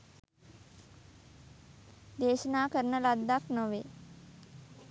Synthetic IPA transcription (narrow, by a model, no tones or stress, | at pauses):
d̪eːʃənaːkəɾənəlad̪ːaknoʋeː